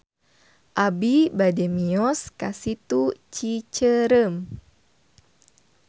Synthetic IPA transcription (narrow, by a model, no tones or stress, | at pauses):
ʔabibademiɔskasit̪ut͡ʃit͡ʃəɾəm